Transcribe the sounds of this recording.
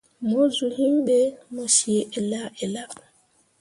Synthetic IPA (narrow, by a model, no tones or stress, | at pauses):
mozuhimɓɛmɔsiɛʔɛlaʔɛla